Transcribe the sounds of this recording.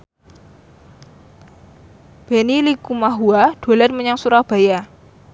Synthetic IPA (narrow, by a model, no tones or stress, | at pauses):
b̥enilikumaɦuad̥o̤lɛt̪̚məɲaŋsuɾahb̥a̤ja